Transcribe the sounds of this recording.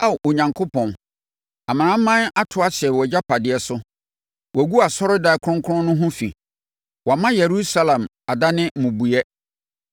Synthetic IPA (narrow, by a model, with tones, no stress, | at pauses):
a˦wʔʊ˨ɲã˨ŋkʰo˦pʰɔ̃˨n | a˨mã˨nã˦m̩˦mã˦na˦tʰʊ˨˦a˦ɕɪ˨ɛ˨wɔ˨d͡ʑa˦pʰa˨dɪ˨ɛ˨sʊ˦ | wɔ˨ɡu˦a˨sɔ˦ɾɪ˦da˨˦kʰʊ˦ɾʊ̃˦kʰʊ˦ʊ̃˦nʊ̃˦ɦʊ̃˦fḭ˨ | wɔ˨mã˦jɛ˨ɾu˦sa˦lã˨m | a˨da˦nɪ̃˦m̩˨mʊ̃˨bu˨jɛ˦